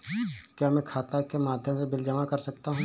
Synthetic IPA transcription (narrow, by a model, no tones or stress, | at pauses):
kjaːmɛ̃kʰaːt̪akemaːd̪ʱjəmsebɪld͡ʒɐmakɐɾsɐkt̪aɦũː